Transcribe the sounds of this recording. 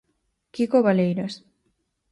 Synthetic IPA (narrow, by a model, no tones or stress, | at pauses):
kikoβalejɾas